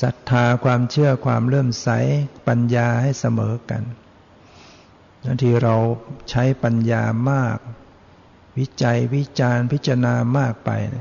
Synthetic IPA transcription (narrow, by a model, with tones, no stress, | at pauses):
sa˨˦t̪ʰːaː˧kʰwaː˧mt͡ɕʰɯ˥˩ɐkʰwa̰ː˧mɾɤː˥˩msa˨˦˥jpa˧njaː˧ha˥˩jsa˧mɤː˩˨˦ka̰˧n | na˧˦˥t̪ʰiː˧˩ɾa˧wt͡ɕʰa˦˥jpa˧njaː˧maː˥˩k̚ | wi˦˥t͡ɕa˧jwi˦˥t͡ɕaː˧npʰi˦˥t̪̚t͡ɕa˧a˧naː˧maː˥˩k̚pa̰˧jn˦˥